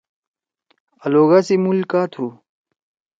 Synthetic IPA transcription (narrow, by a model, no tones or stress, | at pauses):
ɐloːɡaːsimulkaːt̪ʰuː